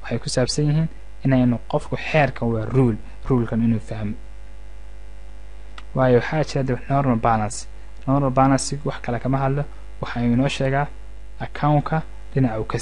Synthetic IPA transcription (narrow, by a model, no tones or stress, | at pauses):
wɑħɑjkʰʊsaːbsɐnjɪɦiːn | ɪnɛjnʊqɔfkʰʊħɛːrkʰɐwɑːruːl | ruːlkʰɐnɪnuːfɐhɦmɔ | wɑːjɛwɑħɑːt͡ʃʰɪɾad̪ɐɛnɔːrmɐlbaːlɐnsɪ̥ | nɔːrmɐlbaːlɐnsɪwɑħkʰɐlɛkʰɐmɐɦɐd̪lɔ | wɑħɑuːɪnɔːʃɛːɣaː | ɐkʰawŋkʰɐ | dɪnɑʕʊkʰɐ